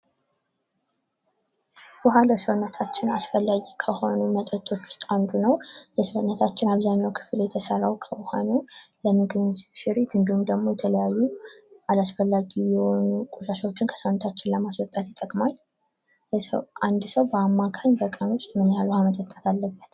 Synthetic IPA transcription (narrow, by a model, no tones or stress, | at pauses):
bɔɦaləsəwnːət̪ʰat͡ʃːɪnasfəlːaɡikʰəho̞numət̪ʼət̪ʰʼo̞t͡ʃːwʊ̥st̪ʼand̪unəwjəsfənːət̪ʰat͡ʃːɪnaβzaɲawkʰɨ̥fljɛt̪ʰəsərawkʰəwhanuləmɨɡɨnʃɪɾit̪ɨnd̪ihumd̪əɡmo̞jɛt̪ʰələjajːuʔalasfəlːaɡijɛho̞nukʼuʃaʃwot͡ʃːɪnkʰə̥səwnːət̪ʰat͡ʃːɪnləmaswɔt̪ʼat̪jɪt̪ʼːəkʼmal | jɛsə̰wʔand̪səwbəamːakʰaɲbəkʼənost̪ʼmɨnjalhamət̪ʼət̪ʼːat̪ʰalːəbːət̪